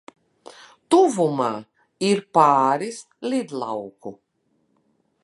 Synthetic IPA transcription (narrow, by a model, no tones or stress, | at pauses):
t̪uvumaː | iɾpaːɾis | lʲid̪lˠa̰wku